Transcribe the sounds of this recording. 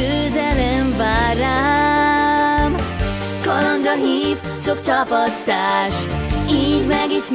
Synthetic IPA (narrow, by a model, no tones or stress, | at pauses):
øːzɛlɛɱvaːɾa | m | kɒlɒŋɡrɒnhiːv | sokt͡ʃɒpɒt̪ːaːʃiːɟmɛɡiʃ